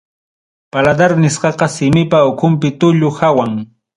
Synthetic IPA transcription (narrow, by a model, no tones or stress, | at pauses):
palad̪aɾnɪsqɑqɑsɪmɪpaʊkʰʊmp̬ɪt̪ʊʎʊxawaŋ